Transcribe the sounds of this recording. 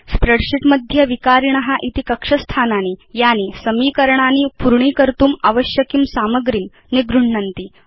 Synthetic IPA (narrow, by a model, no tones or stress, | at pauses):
spɾəɽʂiʈ̪məd̪ʱjəʋikaɾiɳɐɦaʔit̪ikəkʂəst̪ʰananiːjanisəmiːkəɾɳaniːpuɾɳ̃iːkəɾt̪uːmaʋəɕjəkimsaməɡɾim | niɡɾuɳ̤ɳənt̪iː